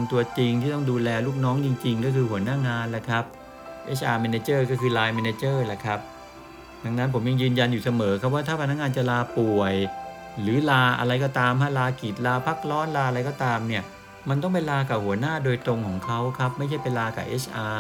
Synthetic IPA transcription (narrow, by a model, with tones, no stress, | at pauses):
mt̪u˧ɐt͡ɕi˧ŋt̪ʰiː˥˩t̪ɔ˥˩ŋduː˧lɛː˧luː˥˩k̚nɔː˦˥ŋt͡ɕi˧ŋt͡ɕi˧ŋkɔː˥˩kʰɯː˧hu˩˦naː˥˩ŋaː˧nla˨˩kʰa˦˥p̚ | ʔeː˦˥sʰʔaː˧mɛː˧neː˧˥t͡ɕɤː˥˩kɔː˥˩kʰɯː˧laː˧jmɛː˧neː˧t͡ɕɤː˥˩la˨˩kʰa˦˥p̚ | da˧ŋna˦˥npʰo˩˦mja˧ŋjɯː˧nja˧njuː˨˩sa˧mɤː˩˦kʰa˦˥p̚waː˥˩t̪ʰaː˥˩pʰa˧na˦˥k̚ŋaː˧nt͡ɕa˨˩laː˧pu˨˩əj | lɯː˩˦laː˧ʔa̰˧ɾa˧jkɔː˥˩t̪aː˧mhaː˥˩laː˧ki˨˩t̪̚laː˧pʰa˦˥k̚lɔː˦˥nlaː˧ɾa˧jkɔː˥˩t̪aː˧mni˥˩ɐ | ma˧nt̪ɔ˥˩ŋp̬a˧jlaː˧kaː˨˩hu˩˦ɐnaː˥˩doː˧jt̪ɾo˧ŋkʰɔː˩˦ŋkʰa˦˥wkʰa˦˥p̚ma˥˩jt͡ɕʰa˥˩jpa˧jlaː˧ka̰ː˨˩ʔeː˦˥sʰʔaː˧